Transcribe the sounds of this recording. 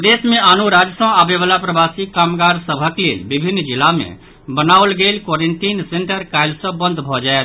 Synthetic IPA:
d̪esmeʔanuɾad͡ʒsə̃abeβalapɾəbasikamɡaɾsəbʱəklḛlbibʱinːd͡ʒilamḛ | bənaolɡelkwɔɾeɳʈinseɳʈəɾkaɪlsə̃bə̃nd̪ʱbʱɔd͡ʒaet̪

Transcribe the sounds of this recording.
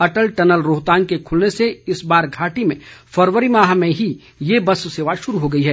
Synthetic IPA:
ɐʈəlʈɐnəlɾoːɦt̪ãːnkekʰʊlneseɪsbaːɾɡʱaːʈimẽfɐɾʋəɾimaːɦmẽɦi | jebɐsseːʋaʃʊɾuɦoɡɐiɦɛː

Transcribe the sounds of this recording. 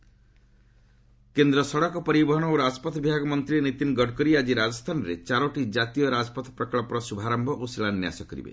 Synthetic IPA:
kend̪ɾɔsɔɽɔkɔpɔɾibɔɦɔɽ̃ɔoɾad͡ʒɔpɔt̪bibʱaɡɔmɔnt̪ɾienit̪inɡɔɽkɔɾiad͡ʒiɾad͡ʒɔst̪ʰanɔɾḛt͡ʃaɾɔʈid͡ʒat̪ijɔɾad͡ʒɔpɔt̪ɔpɾɔkɭɔpɔɾɔsubʱaɾambʱɔʔosilanja̰sɔkɔɾḭbḛ

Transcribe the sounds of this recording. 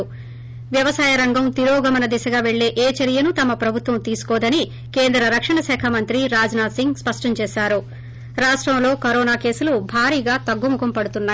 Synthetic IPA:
ʋjɐʋɐsaːjɐɾɐŋɡɐmt̪iɾoːɡɐmɐnɐd̪isɐɡaːʋe̞ɭːe̞ːʔeːt͡ʃɐɾijɐnut̪ɐmɐpɾɐbʱut̪ʋɐmt̪iːsu̥kɔːd̪ɐni | ke̞ːnd̪ɾɐɾɐkʂɐɳɐsɛːkʰɐmɐnt̪ɾiɾaːd͡ʒɐnaːsiŋɡspɐʂʈɐɲt͡ʃeːʃaːɾu | ɾaːʂʈɾɐmlo̞ːkɐɾoːnaːke̞ːsulubʱaːɾiːɡaːt̪ɐɡːumukɐmpɐɽut̪unːaː

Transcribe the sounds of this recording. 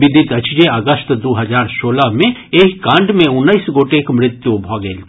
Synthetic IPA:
ʋɪd̪ʱɪt̪ɐt͡ʃd͡ʒeɐɡəst̪d̪oːɦəd͡ʒaːɾsoːləmẽeːkkãːɳɖmẽʊnːəisɡoːʈekmɾɪt̪jubʱɔːɡel

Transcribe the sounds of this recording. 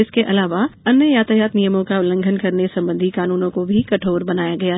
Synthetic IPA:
ɪskeʔɐlaːʋaɐnəjaːt̪əjaːt̪nijəmõkaʊlə̃ŋɡʱənkɐɾnesɐ̃mbə̃nd̪ʱikaːnuːnõkobʱikɐʈʰoːɾbɐnaːjaɡɐjaː

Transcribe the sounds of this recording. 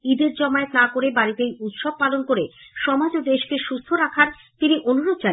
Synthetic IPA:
id̪eɾd͡ʑɔmaet̪nakoɾebaɾit̪ejut̪ʃɔb̚palonkoɾeʃɔmad͡ʑod̪eʃkeʃust̪ʰoɾakʰaɾ | t̪iniʔonuɾod̪̚d͡ʑa

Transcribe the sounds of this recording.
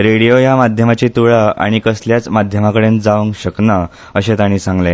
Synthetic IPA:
ɾeɽijojamad̪ʱjəmat͡ɕit̪uɭəa̰ɽ̃ikəsljat͡smad̪ʱjəmakəɽẽnd͡zaʋəŋkɕəknə | əɕẽt̪aɽ̃ĩːsãŋɡle

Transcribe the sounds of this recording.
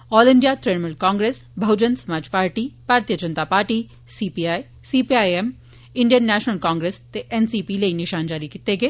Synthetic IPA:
ɔːlɪɳɖijat̪ɾeɽmʊlkãːŋɡɾeːs | bʱɐd͡ʒənsɐmaːd͡ʒpaːɾʈibʱaːɾt̪ijəd͡ʒɐ̃nt̪apaːɾʈi | siːpiːaːi | siːpiaːjem | ɪ̃ɳɖjənːɛːʃnəlkãːŋɡɾest̪eʔɛnsiːpileinɪʃaːnd͡ʒaːɾikɪt̪eɡeː

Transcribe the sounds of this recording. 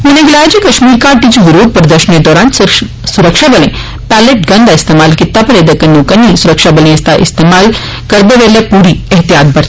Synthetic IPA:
ɪnẽɡɪlaːjd͡ʒikɐʃmiːɾkaːʈit͡ʃuʋɪɾoːd̪̚pɐɾd̪əʃənked̪ɔːɾaːn | sʊɾəkʃabɐlḛ̃ | pæːleʈ̚ɡɐ̃nd̪aɪst̪eːmaːlkɪt̪ːapɐɾed̪əkɐnːokɐnisʊɾəkʃabɐlẽɪst̪aʔɪ̰st̪eːmaːl | kɐɾd̪eʋeːlepuːɾiɛɦt̪ijaːt̪̚bɐɾt̪ː

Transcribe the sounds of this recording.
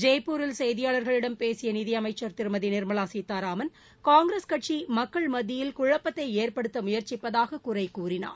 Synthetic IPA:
d͡ʒeːpːuːɾɪlsɛjðɪjaːlɐɾɣɐɭɪɽɐmpeːsɪjɐniðɪjɐmɐɪt͡ʃːɐɾt̪ɪɾɯmɐðinɪɾmɐɭaːsiːt̪ːaːɾaːmɐn | kaːŋɡɾeskɐʈt͡ʃimɐkːɐɭmɐðɪjɪlkʊɻɐpːɐt̪ːɐɪeːɾpɐɽɯt̪ːɐmʊjɐɾt͡ʃɪpːɐðaːɣɐkʊrɐɪkːuːrɪna̰ːɾ

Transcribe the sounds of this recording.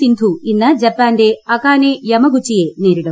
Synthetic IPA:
ind̪ʱuinːɐd͡ʒɛpːaːɳɖeːɐkaːnejɐmɐɡut͡ʃːijeːneːɾiɽɐm

